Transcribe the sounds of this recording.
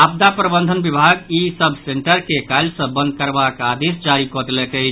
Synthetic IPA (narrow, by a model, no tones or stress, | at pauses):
ab̚d̪apɾəbə̃nd̪ʱənbibʱaɡisəbʱseɳʈəɾkekaɪlsə̃bə̃nd̪̚kəɾbakad̪esd͡ʒaɾikɔd̪lɛkət͡ʃ